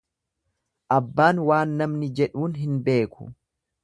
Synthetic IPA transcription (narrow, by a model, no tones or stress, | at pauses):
ʔɐbːaːnwaːnːɐmnɪd͡ʒɛᶑuːnɦɪnbe̞ːkʰʊ̥̰